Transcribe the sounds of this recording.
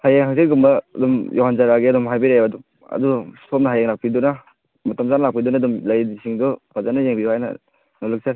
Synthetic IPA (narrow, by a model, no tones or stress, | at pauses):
hajaŋɦaŋseɡumbɐ̰dumjʔoɦanzaɾaɡiadumɦajbiɾajbadum | ɐ̰dusomnɐɦajaŋnlak̚piduna | matamzanlak̚pidunadumlajdisʰiŋdɔpʰazanajeŋbiwajnɐ̰ | nolɯk̚sa